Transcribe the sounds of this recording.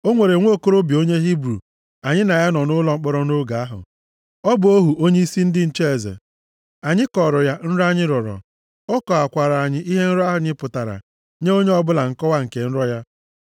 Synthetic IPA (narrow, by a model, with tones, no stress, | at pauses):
o˦ŋʷe˨ɾe˨ŋʷo˦˨ko˦ɾo˦bi˨o˦ɲe˦ɦi˦bɾṵ˨ | a˨ɲɪ˦na˨ja˦nɔ˨nʊ˦lɔ˦ŋ͡m̩˦k͡pɔ˦ɾɔ˦no˦ɡa˨a˦ɦʊ̰˨ | ɔ˦bʊ˨o˦ɦu˨ʔo˦ɲe˦i˦si˦n̩˦dɪ˦n̩˦t͡ʃe˦˨zḛ˨ | a˨ɲɪ˦kɔ˨ɾɔ˨ja˦n̩˦ɾa˦ɲɪ˦ɾɔ˨ɾɔ̰˨ | ɔ˦kɔ˨a˨kʷa˨ɾa˨a˨ɲɪ˦ʔi˦ɦe˦n̩˦ɾɔ˦a˦ɦʊ˨ɲɪ˦pʊ˨ta˨ɾa̰˨ | ɲe˦o˦ɲe˦ɔ˦bʊ˦la˨ŋ̩˨kɔ˦wa˦ŋ̩˨ke˨n̩˦ɾɔ˦ja˦